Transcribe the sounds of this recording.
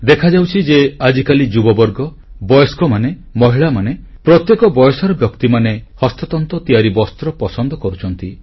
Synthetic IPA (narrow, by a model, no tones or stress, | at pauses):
d̪ekʰad͡ʒawt͡ʃʰid͡ʒead͡ʒikalid͡ʒubɔbɔɾɡɔ | bɔjɔskɔmanemɔɦiɭamanepɾɔt̪jekɔbɔjɔsɔɾɔbjɔkt̪imanehɔst̪ɔt̪ɔnt̪ɔt̪iaɾibɔst̪ɾɔpɔsɔnd̪ɔkɔɾut͡ʃʰɔnt̪i